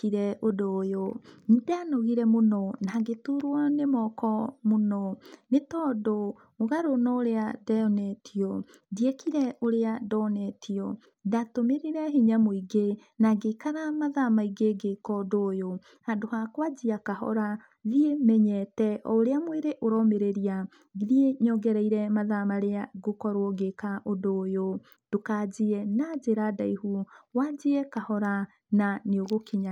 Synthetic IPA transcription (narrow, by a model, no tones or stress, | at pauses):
kiɾɛʔodoːjonidanoɣiɾɛmonɔnaɡetuɾwanemɔkɔmonɔnetɔːdo | moɣaɾonɔoɾeadaɔnɛtʰiɔ | diekiɾɛʔoɾeadɔnɛtʰiɔ | datomeɾiɾɛɦiɲamoiɡenaɡekaɾamaðamaiɡeɡekɔdoːjo | adohakwad͡ʑiakahɔ̰ɾa | ðiemɛɲɛtɛɔoɾeamweɾeʔoɾɔmeɾeɾia | ðieɲɔɡɛɾɛiɾɛmaðamaɾeaɡokɔɾwɔɡekaʔodoːjo | d̥okad͡ʑiɛnad͡ʑeɾadaihuwad͡ʑiɛkahɔɾa | naneoɣokiɲa